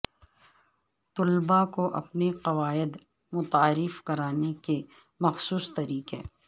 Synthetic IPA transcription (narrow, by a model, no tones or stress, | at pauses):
t̪ʊlbakoʔɐ̰pneqɐʋaːɪd̪ | mʊt̪aːɾɪfkɐɾaːneke | mɐxsuːst̪ɐɾiːqḛː